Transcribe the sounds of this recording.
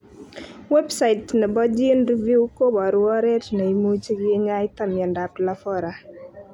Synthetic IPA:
wɛ˦bsa˨ɪ˨tnɛ˨bɔ˦d͡ʒi˦nɾi˦vu˦ko˦bɔ˨ɾwɔ˦ɾɛ˦tna˨i˨mu˦t͡ʃi˦ɡɪ˦ɲa˦ɪ˦t̪a˦mɪ˨a˨nda˨pla˦fɔ˦ɾa˨

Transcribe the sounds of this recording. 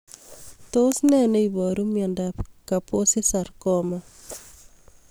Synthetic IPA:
to˦snɛ˦ne˦ibɔ˨ɾumjɛ˨ndapkapo˦si˦sa˨ɾkɔma

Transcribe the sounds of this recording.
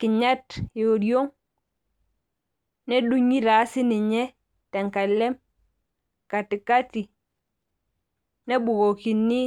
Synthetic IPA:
ki˨ɲa˦tjo˨ɾi˦o˦ŋ | ne˦ɗu˦ɲi˦ɾa˨˦si˦ni˨ɲe˦ | ta˨ŋka˨le˦m | ka˨ti˨ka˦ti˨ | ne˦bu˨ɡo˨ki˨nːi˦

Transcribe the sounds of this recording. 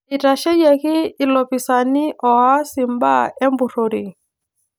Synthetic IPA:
i˨ta˨ʃɛ˦jɛ˨kiː˦˨lɔ˨pi˨sa˨ni˦ʔɔ˨a˦si˨mba̰˦ɛ˦mbu˨ɾo˨ɾi˨

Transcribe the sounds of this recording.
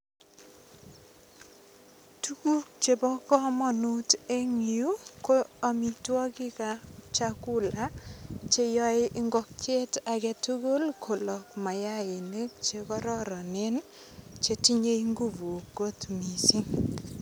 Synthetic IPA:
tu˦ku˦k̚t͡ʃe˨bɔ˦kɔ˦mɔ˦nu˦te˦ŋ˨ju˦ko˦a˦mi˨twɔ˦kɪ˦ka˨t͡ʃa˦kʊ˦la˦t͡ʃe˦jɔ˦ɪ˦ʔɪ˦ŋɡɔ˦k̚t͡ʃe˦ta˨kɛ˦tu˦ɡo˦lkʰo˨lɔ˨k̚ma˨ja˦ɪ˨ne˦k̚t͡ʃe˦kɔ˦ɾɔ˦ɾɔ˨nɪ˦n | t͡ʃe˦ti˦ɲe˦i˦ŋɡu˦vu˨ɡo˦t̪mi˨si˦ŋ

